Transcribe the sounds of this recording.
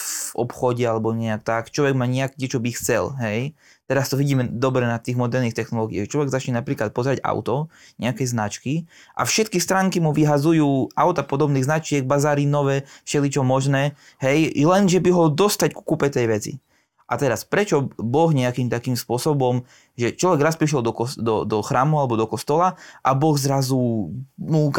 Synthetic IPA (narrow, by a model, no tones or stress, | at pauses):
ɔ̰pxɔɟɛalɛbɔɲɛakt̪akt͡ʃlɔʋɛɡmaːɲɛakɛt͡ʃɔbixt͡sɛ̰lɦɛj | t̪ɛɾast̪ɔʋiɟiːmɛd̪ɔbɾɛnat̪iːɣmɔd̪ɛɾniːxt̪ɛxnɔlɔɡiaɛt͡ʃlɔʋɛɡzat͡ʃɲɛnapɾiːklat̪̚pɔzɾaɟa̰ʊt̪ɔ | ɲɛakɛznat͡ʃkiʔa̰fʃɛt̪kist̪ɾaːŋkimuʋiɦazujuːaʊt̪apɔd̪ɔbniːɣznat͡ʃɪɛɡ̚bazaːɾinɔʋɛːfʃɛlit͡ʃɔmɔʒnɛː | ɦɛjlɛnʒɛbiɦɔd̪ɔst̪acku̥kuːpɛt̪ɛjʋɛt͡sḭ | ʔat̪ɛɾaspɾɛt͡ʃɔbɔɣɲɛakiːmt̪akiːmspʊɔsɔbɔm | ʒɛt͡ʃlɔʋɛɡɾaspɾiʃ̬ɛld̪ɔkɔd̪ɔd̪ɔxɾaːmualɛbɔd̪ɔkɔst̪ɔlaʔabɔɣzɾazumuk